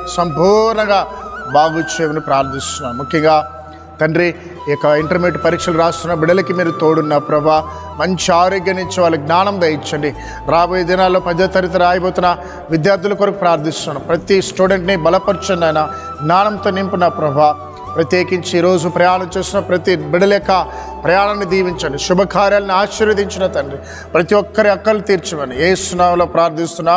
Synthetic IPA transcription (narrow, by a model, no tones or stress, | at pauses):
sɐmpuːɾnɐŋɡaːbaːɡut͡ʃeːmɐnipɾaːɾd̪ʱist̪unːaːɾumukʰjɐŋɡaː | t̪ɐɳɖɾi | ɔkːɐiɳʈɐɾmeʈpɐɾiːkʂɐluɾaːst̪unːɐbiɽɐlɐkimiːɾut̪oːɽunːɐpɾɐbʱaː | mɐɲt͡ʃiaːɾoːɡjɐniɲt͡ʃːiʋaːlːɐɡnaːnɐmʋeːjit͡ʃːɐɳɖi | ɾaːboːjɐd̪inaːlːo̞ːpɐd͡ʒɐlt̪ɐɾit̪ɐɾɐaːjpoːt̪unːɐ | ʋid̪jaːɾd̪ʱulɐkoɾɐkupɾaːɾd̪ʱist̪unaːɽɐmpɾɐt̪isʈuːɖeɳʈnibɐlɐpɐɾt͡ʃɐnːɐjnɐ | ɡnaːɳɐnt̪oːnimpunɐpɾɐbʱaː | pɾɐt̪je̞ːkiɲt͡ʃiːɾo̞ːd͡ʒupɾɐjaːɳɐmt͡ʃeːsinɐpɾɐt̪ibiɽɐlɛkːɐ | pɾɐjaːɳɐnːid̪iːʋiɲt͡ʃɐɳɖiʃubʱɐkaːɾjaːlɐniaːʃɐɾʋɐd̪iɲt͡ʃinɐt̪ɐɳɖɾi | pɾɐt̪iɔkːɐɾiɐkːɐlut̪iːɾt͡ʃimɐnijeːsunaːmloːpɾaːɾd̪ʱist̪unːaː